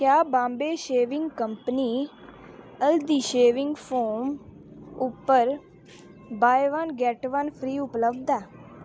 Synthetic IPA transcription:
kjaːbãːmbeːʃeːʋɪŋɡkəmpəniː | əld̪iːʃeːʋɪŋɡpʰoːm | ʊpːəɾ | baːeʋənɡɛʈʋənpʰɾiːʊpləbd̪ɛː

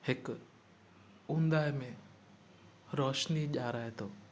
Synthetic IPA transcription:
hɪk | ũnd̪aːemẽ | ɾɔːʃniʄaːɾaːɦet̪ʰoː

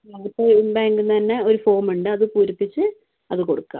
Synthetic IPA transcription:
ɐɣɐtːeimbaːŋɡunːt̪ɐnːe̞o̞ɾufo̞ːmuɳɖɨɐðɨpuːɾipːit͡ɕːɨ | ɐðɨko̞ɽukːa̰ːm

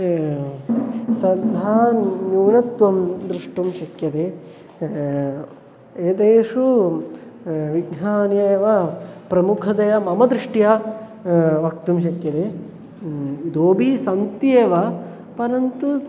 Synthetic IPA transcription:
sɐd̪ʱaːnuːnɐt̪ʋɐmd̪ɾiʂʈumʃɐkjɐt̪eː | eːd̪eːʂu | ʋiɡnaːneːʋɐpɾɐmukʰɐd̪ɐjɐmɐmɐd̪ɾiʂʈjɐ | ʋɐk̚t̪umʃɐkjɐt̪e | id̪oːbʱisɐnt̪jeːʋɐ | pɐɾɐnt̪u

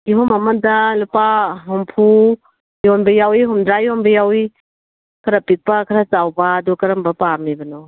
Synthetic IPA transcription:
iɦɔmɐmɐdɐlupaɦumpʰu | jonbɐjawiɦumdɾajonbɐjawi | kʰɐɾapik̚pɐkʰɐɾat͡ʃawbɐːdukɐɾɐmbɐpamibɐno

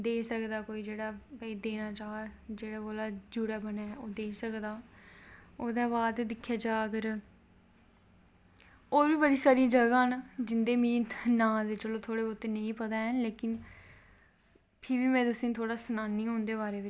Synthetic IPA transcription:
d̪eːsəkd̪aːkoːiːd͡ʒeːɽaːpəiːd̪eːnaːt͡ʃaːd͡ʒeːɽaːboːlaːd͡ʒʊɽaːbənaːoːd̪eːsəkd̪aː | oːd̪aːbaːd̪d̪ɪkʰːjaːd͡ʒaːəkəɾ | oːbiːbəɽiːsaːɾĩd͡ʒəɡãːnːd͡ʒɪnd̪eːmĩːnãːd̪et͡ʃəlõːt̪ʰoːɽeːbot̪eːnəĩːpət̪aːɛːleːkɪn | pʰɪɾbiːmɛ̃ːt̪ʊsĩːt̪ʰoːɽaːsənaːnːiːɦõːnd̪eːβaːɾeːʋɪt͡ʃ

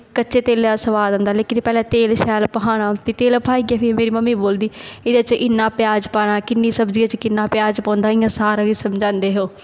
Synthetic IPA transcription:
kətːʃeːt̪eːleːasəʋaːd̪ə̃ːnd̪aːleːkɪnpɛːlɛ̃ːt̪eːlʃɛːlpəɦaːɽ̃aːp̪iːt̪eːlpʰaːiɡeːpʰɪmeːɾiːməmːiːboːld̪iːɪd̪et͡ʃʔɪnːãːpjaːd͡ʒpaːɽaːkɪnːĩːsəbd͡ʒiːaːt͡ʃkɪnːaːpɪjaːd͡ʒpãːnd̪aːɪjãːsaːɾaɡiːsəmd͡ʒãːnd̪eːɦoː

